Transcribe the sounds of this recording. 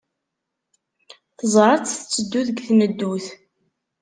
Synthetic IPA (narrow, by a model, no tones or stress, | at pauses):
θəzˤɾˤt͡sθət͡sːəd̪ːuðəɡθnəd̪ːuθ